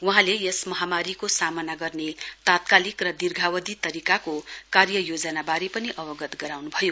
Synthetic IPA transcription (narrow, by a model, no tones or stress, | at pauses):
wuɦãlejesmʌɦamaɾikosamʌnaɡʌrnet̪at̪kalikrʌd̪irɡʱawʌd̪it̪ʌɾikakokarjʌjod͡zʌnabaɾepʌniʔʌbʌɡʌt̪ɡʌɾawnubʱʌjo